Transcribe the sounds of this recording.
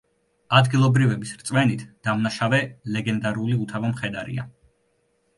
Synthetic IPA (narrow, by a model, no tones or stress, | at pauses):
ad̪ɡilˠɔbɾivɛbisɾt̪sʼvmɛnit̪ʰd̪̥amnaʃavɛlɛɡɛnd̪aɾuliut̪ʰavamχɛd̪aɾḭa